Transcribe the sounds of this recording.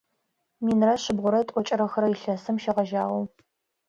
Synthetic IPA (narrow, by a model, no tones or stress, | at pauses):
miːnrɐɕɪbʁʷʊɾɐtʼɔt͡ʃʼɐɾɐxɐɾɐjɪɬɐsɨmʃɐʁɐʒaːʁɐw